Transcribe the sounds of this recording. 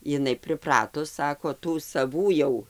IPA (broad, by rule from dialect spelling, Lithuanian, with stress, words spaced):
ɪˈnɐɪ pʲrʲɪˈprɑːtʊs ˈsɑːkoː ˈtuː sɐˈʋuː jɛʊ